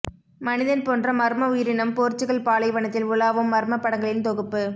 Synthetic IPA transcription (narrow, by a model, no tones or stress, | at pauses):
mɐnɪðɐnpoːndrɐmɐɾmɐʊjɪɾɪnɐmpoːɾt͡ʃːɯɣɐɭpaːlɐɪʋɐɳɐt̪ːɪlʋʊlaːʋɯmːɐɾmɐpːɐɽɐŋɡɐɭɪnt̪ɔɣɯpːɯ